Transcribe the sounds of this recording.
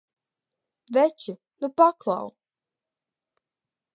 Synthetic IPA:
vɛt͡ʃi | nupaklˠa̰w

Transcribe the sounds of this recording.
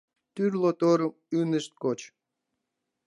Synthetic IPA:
t̪yrlot̪oɾəm | ynəʃt̪̚kot͡ɕ

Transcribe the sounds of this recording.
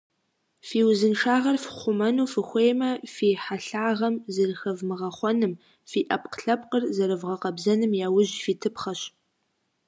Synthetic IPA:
fiːwzɨnʂaːʁɐrfχʷʊmɐnuːfɨxʷeːjmɐfiːħaɬaːʁɐmzɨrxɐvmɨʁɐχʷɔnɨm | fiːʔɐp̚qɬɐp̚qərzɐɾɨvʁɐqɐbzɐnɨmjaːwʊʑfiːtʰɨpχɐɕ

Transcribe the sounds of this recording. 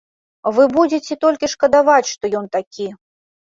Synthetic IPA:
vɨbud͡zʲet͡sʲɛt̪ɔlʲkʲiʂkɐd̪avat͡sʲʂt̪ɔjɔnt̪akʲi

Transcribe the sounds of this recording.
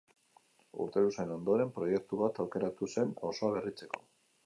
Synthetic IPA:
ṵɾt̪e̞luseno̞nd̪o̞ɾe̞mpɾo̞je̞k̚t̪uβat̪awke̞ɾat̪use̞no̞so̞aβ̞erit͡se̞ko̞̥

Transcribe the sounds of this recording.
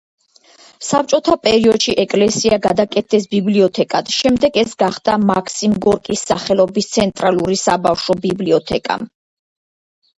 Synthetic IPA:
sap̚t͡ʃʼɔt̪ʰapʼɛɾiɔd̪ʃiʔɛkʼlɛsiaɡad̪akʼɛt̪̚ʰɛsbibliɔt̪ʰɛkʼad̪̥ʃɛmd̪ɛɡɛsɡaχd̪amakʰsimɡɔɾkʼisːaχɛlˠɔbist̪sʰɛnt̪ʼɾalˠuɾisabafʃɔbibliɔt̪ʰɛkʼa̰m

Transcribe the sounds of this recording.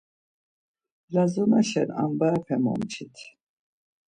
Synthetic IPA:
lazɔnaʃɛna̰mbaːpʰɛmɔ̰mt͡ʃʰit̪ʰ

